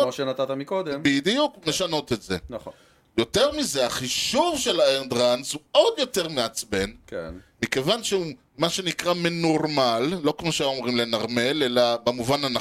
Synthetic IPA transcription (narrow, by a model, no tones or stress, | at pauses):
moʃenat̪at̪amikod̪embid̪ijukme̞ʃano̞t̪e̞tzenaχo | jo̞teʁmizeaχiʃuvʃe̞laeʁd̪ʁansuo̞djo̞te̞ʁmeat͡sbe̞nkḛnmike̞vanʃeu | maʃe̞nikʁameno̞ʁmalːo̞kmo̞ʃeo̞mʁimle̞naʁme̞lelabemuvanana